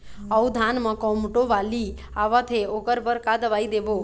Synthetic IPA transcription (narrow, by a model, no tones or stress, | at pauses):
əwd̪ʱanmə̃kɔmʈoʋali | aʋət̪ʰeokəɾbəɾkad̪əʋaid̪eʋo